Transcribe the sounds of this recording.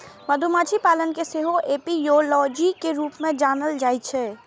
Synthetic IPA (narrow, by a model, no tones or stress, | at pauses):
məd̪ʱumat͡ʃʰipalənkeseɦoʔeːpijolɔd͡ʒikeɾuːpmẽd͡ʒaːnəld͡ʒaɪt͡ʃʰɛ